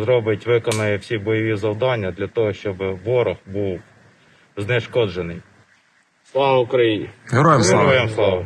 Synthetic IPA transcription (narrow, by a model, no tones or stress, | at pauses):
zɾɔbɪtʲʋɪkɔnɐjiwsʲibɔjɐʋʲizɐwd̪ɑnʲːɐd̪lʲɐt̪ɔɦɔʃt͡ʃɔbɪʋɔɾɔxbuw | zneʃkɔd͡ʒenɪj | slˠɑʋɐʊkɾɐjinʲiɦeɾɔjemsɦeɾɔjemslˠɑʋɐ